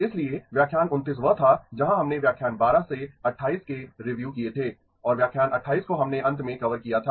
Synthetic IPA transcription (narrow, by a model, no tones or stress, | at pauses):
ɪslieʋjaːkʰːjaːnʊnt̪iːs̬ʋɐt̪ʰad͡ʒɐɦãɦɐmneʋjaːkʰjaːnbaːɾaseɐʈʰːaːiːskeɾɪʋjuːkiet̪ʰeː | ɔːɾʋjaːkʰjaːnɐʈʰːaːiːskoɦɐmneʔɐ̃nt̪ʰmẽkɐʋəɾkijat̪ʰaː